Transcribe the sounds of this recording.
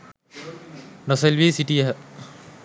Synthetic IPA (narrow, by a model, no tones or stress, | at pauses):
nɔselʋeːsiʈijɐɦə